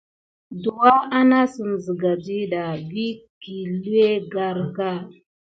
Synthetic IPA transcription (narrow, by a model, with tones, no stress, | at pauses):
du˨wa˦a˦na˦su˨m˨zə˨ɡa˨d͡ʒi˦ɗa˨bi˦ki˨lu˦e˦ɡa˦ɾɡa˦˨